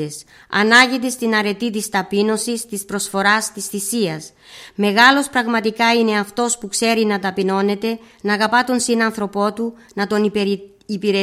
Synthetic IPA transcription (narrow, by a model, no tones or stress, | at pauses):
es | ɐ̰nɐʝit̪est̪inɐɾe̞t̪it̪ist̪ɐpino̞sist̪ispɾo̞sfo̞ɾɐst̪isθisiɐs | me̞ɣɐlo̞spɾɐɣmɐt̪ikɐine̞ɐft̪o̞spukse̞ɾinɐt̪ɐpino̞ne̞t̪e̞ | nɐɣɐpɐt̪unsinɐnθɾo̞po̞t̪u | nɐt̪o̞n | ipiɾe